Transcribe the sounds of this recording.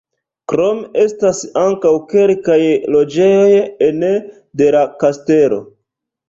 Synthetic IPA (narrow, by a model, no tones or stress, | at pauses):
kɾo̞me̞stasaŋkawke̞lkajlo̞d͡ʒe̞jo̞jene | de̞lakaste̞lo̞̰